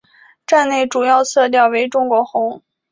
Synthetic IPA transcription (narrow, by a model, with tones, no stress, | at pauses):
ʈ͡ʂa˥˧nne˥˩ɪʈ͡ʂu˨˩jɑ˥˧ʊsʰɤ˥˧t̪̬jɑ˥˩ʊwe˧˥ɪʈ͡ʂʊ˥ŋkwɔ˧˥xʊ˧˥ŋ